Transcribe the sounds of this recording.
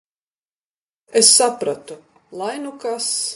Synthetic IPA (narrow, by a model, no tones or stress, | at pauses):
esːapɾat̪u | lˠajnukas